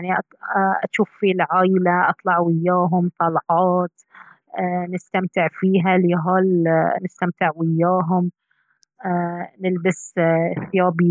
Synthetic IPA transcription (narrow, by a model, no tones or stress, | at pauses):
jaʕniʔ | ʔa̰ʃuːfːilʕaːjlaʔɑ̰t̪ˤlɑʕwɪjːaːɦʊmt̪ˤɑlʕɑːt̪ː | nɪst̪amt̪ɪʕfiːɦaliɦaːlnɪst̪amt̪ɪʕwɪjːaːɦʊmː | nɪlbɪsθɪjaːbi